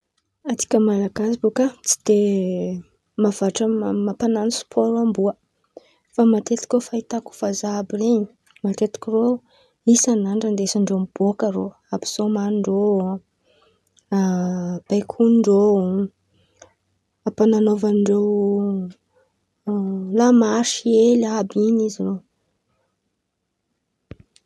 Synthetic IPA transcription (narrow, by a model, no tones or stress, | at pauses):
at͡s̪i̥kʲəmalaɡasibukat͡si̥d̪̥e | mav̥aʈ͡ʂəmapananisu̥pʰoɾambuə | famat̪et̪i̥kʲofait̪aku̥fazaabireɲi̥ | mat̪et̪i̥kʲiro | isanaɳɖ͡ʐənd̪eesaɳɖ͡ʐomb̥okaɾo | abi̥z̥omanɳɖ͡ʐo | b̥ejkʰuɳɖ͡ʐo | apananovanɳɖ͡ʐew | lamaʃielabiɲiziro